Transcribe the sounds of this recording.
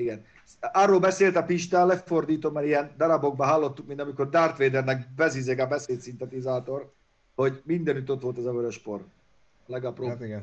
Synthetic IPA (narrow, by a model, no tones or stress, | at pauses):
iɡɛn | ɒrːoːlbɛseːlt̪ɒpiʃt̪alːɛfo̞rd̪iːt̪omːɛɾijɛnd̪ɒɾɒbo̞ɡ̚bɒɦɒlːo̞t̪ːukmint̪ɒmiko̞rd̪aːrt̪ʋeːd̪ɛrnɛk̚bɛzizeɡɒbɛseːt̪sint̪ɛt̪izaːt̪o̞r | ho̞ɟmind̪ɛnyt̪o̞t̪ʋo̞lt̪ɛzɒvøɾøʃpo̞r | lɛɡɒpro